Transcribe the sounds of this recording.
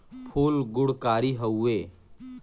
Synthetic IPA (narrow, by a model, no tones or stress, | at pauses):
pʰuːlɡʊɽkaːɾiɦɐueː